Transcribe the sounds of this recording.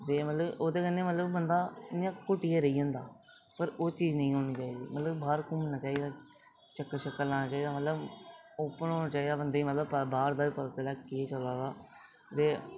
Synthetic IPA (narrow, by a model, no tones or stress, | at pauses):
t̪eːmət̪ləboːd̪eːkənːẽːmət̪ləbːənd̪aːɪjãːkʊʈieːɾəiːɦə̃ːnd̪aː | pəɾoːt͡ʃiːznəĩːɦoːniːt͡ʃaːiːd̪ḭːmət̪ləbbaːɾkʊ̃mənaːt͡ʃaːiːd̪aː | ʃəkːəʃəkːəllaːnaːt͡ʃaːiːd̪aːmət̪ləboːpəɳɦoːnãːt͡ʃaːiːd̪aːbənd̪eːiːmət̪ləbpəbaːɾd̪aːiːpəlːt̪əlɛːket͡ʃəlaːɡaː | t̪eː